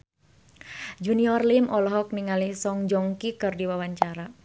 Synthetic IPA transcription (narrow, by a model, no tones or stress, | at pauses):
d͡ʒuniɔrlimʔɔlɔɦɔk̚niŋalisɔŋd͡ʒɔŋkikərdiwawaɲt͡ʃaɾa